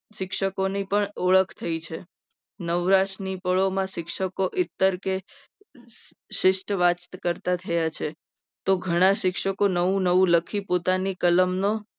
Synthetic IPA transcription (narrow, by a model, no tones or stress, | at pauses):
ʃɪkʃəkonipəɳɔɭəkʰt̪ʰəit͡ʃʰe | nəʋɾaʃnipəɭomãʃɪkʃəkoʔɪt̪ːəɾke | ʃɪʃʈʋat͡ʃt̪kəɾt̪at̪ʰəjat͡ʃʰe | t̪oɡʱəɽ̃aʃɪkʃəkonəʋũnəʋũləkʰipot̪anikələmno